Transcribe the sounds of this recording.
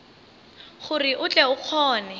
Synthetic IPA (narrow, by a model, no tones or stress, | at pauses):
χʊriʔʊt͡ɬʼɛʊq͡χʰɔːnɛ